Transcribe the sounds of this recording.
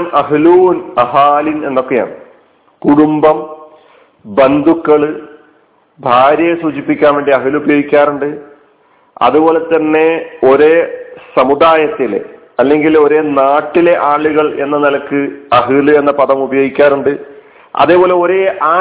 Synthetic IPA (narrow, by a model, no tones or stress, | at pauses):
mɐɦluːnɐɦaːline̞̰nːo̞kːe̞ja̰ːɳɨ | kuɽumbɐm | bɐnd̪ʱukːɐɭɨ | bʱaːɾjɐjesuːt͡ɕipːikʲːaːnʋeːɳɖiɐɦɨlubɐjo̞ːɡikʲːaːɾuɳɖɨ | ɐ̰ðubo̞ːle̞t̪ːɐnːe̞o̞ɾesɐmud̪aːjɐt̪ːil̰ | ɐlːe̞ŋɡilo̞ɾe̞naːʈːile̞ʔaːɭuɣɐɭʔe̞̰nːɐnɐlɐkːɨɐɦɨlue̞nːɐpɐðɐmubɐjo̞ːɡikʲːaːɾuɳɖɨ | ɐ̰ðe̞ːpo̞ːle̞o̞ɾe̞ʔaː